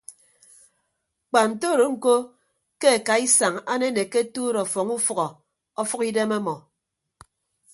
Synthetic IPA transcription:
k͡pa˨n̩˨to˦˨ɾo˨ŋ̩˨ko˦ | ke˦a˨ka˨i˦sa˨ŋa˦ne˦ne˨ke˦tuː˦ɾɔ˨fɔ˨ŋu˦fɔ˨ɣɔ˨ | ɔ˦fɔ˦ki˦de˦me˦mɔ˨

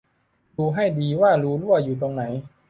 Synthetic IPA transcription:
luː˨˧ɦa˥˩jdiː˧waː˥˩ɾuː˦˥lu˥˩ɐjuː˨˩t̪o˧ŋna˩˦j

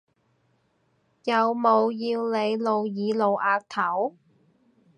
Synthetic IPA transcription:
jɐ˨wmo˨˧wjiː˧wle˨˧jlo˨˧wjiː˨˧lo˨wʔaː˧k̚t̪ʰɐ˨˥w

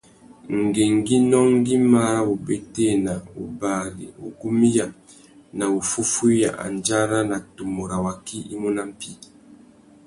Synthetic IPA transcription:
ŋ̩˨ɡe˨ŋ˦ɡi˦nɔ˦ŋ˦ɡi˦ma˦ɾa˦u˨be˦te˦˨na˨u˨ba˨ɡḭ˨u˨ɡu˦mi˦ja˨ | na˨u˨fu˦fu˦ja̰˨ʔa̰˨n˨d͡ʒa˦ɾa˦na˨tu˨mo˨ɾa˨wa˨ki˦i˦mu˦na˦m̩˦pi˦

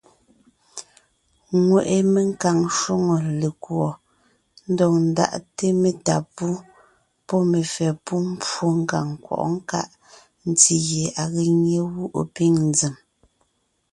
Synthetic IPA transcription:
ŋwe˨ʔe˨me˨ŋ̩˦ka˨ŋʃo˦ŋo˨le˨kwɔ˨ | n̩˦dɔ˨ŋn̩˨da̰˦˨ʔte˦me˨ta˨pu˦ | pɔ˦me˨fɛ˨pu˦m̩˦pwo˦ŋ̩˦ka̰˨ŋkwɔ̰˨ʔŋ̩˦ka̰˦ʔ | n̩˦ti˦je˨a˨ɣe˦ɲe˦wu˦ʔo̰˨pi˦ŋn˦d͡zi˨m

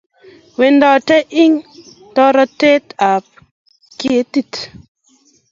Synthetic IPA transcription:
we˨ndɔ˨te˦ʔi˦ŋ˨ | tɔ˦ɾɔ˦te˦ta˨p̚ | ke˦ti˦˨t

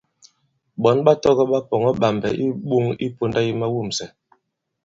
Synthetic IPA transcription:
ɓɔ˨˦nɓa˦tɔ˦ɣɔ˦ɓa˦pɔ˨ŋɔ˦ɓa˨mbɛ̰˨ʔi˦ɓu˦ŋḭ˦po˦nda˦ji˦ma˦wu˦˨m̩sɛ˨

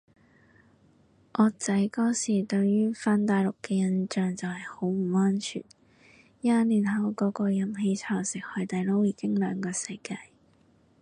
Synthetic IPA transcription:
ʔɔː˨˧t͡sɐ˨˥jkɔː˥siː˨˩t̪ɵ˧ɥjyː˥faː˧nt̪aː˨jlʊ˨kːɛː˧jɐ˧nt͡ʃœː˨ŋt͡sɐ˨whɐ˨˩jho˨˥wm̩˨˩ɔː˥nt͡ʃʰy̰ː˨˩n | jaː˧nlyː˨˩nɦɐ˨˥wkɔː˨˧˥kɔː˧jɐ˨˧mɦe˧jt͡sʰaː˨˩wsɪ˨k̚hœ˨˧ɥt̪ɐ˨jlo˥wjiː˨˧kɪ˥ŋlœː˨˧ŋkɔː˧sɐ˧jkaː˧j

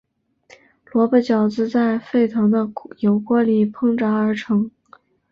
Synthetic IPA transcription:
lwɔ˧˥pə˥˩t͡ɕjɑ˨˩ʊt͡sɹ̩˥˧t͡sa˥˧ɪfe˥˩ɪt̪ʰɑ˧˥ŋd̪ə˧jo˧˥ʊkwɔ˧˥li˨˩pʰɤ˥ŋʈ͡ʂa˧˥ə˞˧˥ʈ͡ʂʰɤ˧˥ŋ

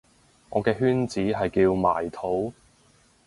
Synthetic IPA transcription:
ŋʔɔː˨˧kɛː˧ɦyː˥nt͡siː˨˥ɦɐ˨jkiː˧wma̰ː˨˩jt̪ʰo˨˥w

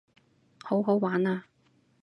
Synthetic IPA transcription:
ho˨˥wɦo˨˥wwaː˨˥naː˧

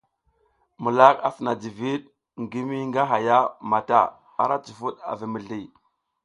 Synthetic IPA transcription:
mu˨la˦ka˨si˨na˨d͡ʒi˨vi˦ɗ̚ | ŋɡi˦mi˦ŋɡa˦ɦa˨ja˦ma˨ta̰˨ | a̰˨ɾa˦t͡su˨fu˦ɗa̰˨vi˨mi˨ɮi˨

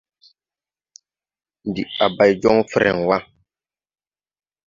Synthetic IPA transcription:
n˨di˨a˨ba˨jd͡ʒɔ˦ŋfɾɛ̰˨ŋ˨wa˦

